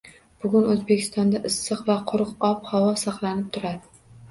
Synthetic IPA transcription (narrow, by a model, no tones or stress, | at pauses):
b̥ʊɡʲʊnɵzbekʲʰɪ̥st̪ɒnd̪aʔɪsːɨqvaqʰʊɾɨqɒphawɒsɑqlˠanɪp̚t̪ʰʊɾad̪ɪ